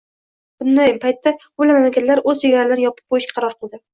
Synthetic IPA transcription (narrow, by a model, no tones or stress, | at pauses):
b̥ʊnd̪ajpajt̪ʰːabʊlamamlakʲat̪laɾɵzt͡ʃʰeɡʲaɾalanjɒpʰɨ̥p̚qʰojɪʃkʲqʰɑɾɒɾqʰɨlˠd̪ɪ